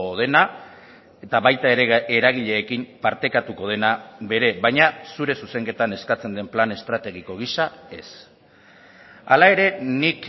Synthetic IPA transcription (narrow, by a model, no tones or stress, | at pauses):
oð̞e̞na | e̞t̪aβajt̪ae̞ɾʔeɾaɣ̞iʎe̞ːkimpaɾt̪e̞kat̪uko̞ð̞e̞naβe̞ɾe̞βajɲasuɾe̞suse̞ŋke̞t̪ane̞skat͡se̞nd̪e̞mplane̞st̪ɾat̪e̞ɣ̞iko̞ɣ̞isae̞s | alae̞ɾe̞nik